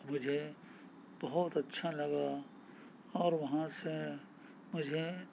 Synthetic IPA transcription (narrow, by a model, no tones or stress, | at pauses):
mʊd͡ʒʱe | b̥ɐɦʊt̪ɐtːʃʰalɐɡa | ɔːɾʋɐɦãse | mʊd͡ʒʱe